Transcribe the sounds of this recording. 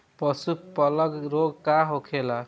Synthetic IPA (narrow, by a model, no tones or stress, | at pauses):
pʌsupʌlʌɡɾoɡkaɦokʰela